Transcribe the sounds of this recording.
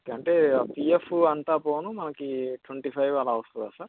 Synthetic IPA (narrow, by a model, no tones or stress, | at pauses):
kɐɳʈeːpiːefuɐnt̪aːpoːnumɐnɐkiʈʋɐɳʈiːpʰɐjʋaːlːaːʋɐst̪und̪aːsaːɾ